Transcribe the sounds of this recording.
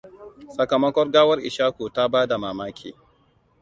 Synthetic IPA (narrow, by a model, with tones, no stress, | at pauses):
sɐ˨kɐ˨mɐ˦kʷɔ˦rɡaː˦wɐ˦rʔɪ˨ʃaː˦kʷuː˨ta˦baː˦da˨maː˨maː˦kʲʰḭː˨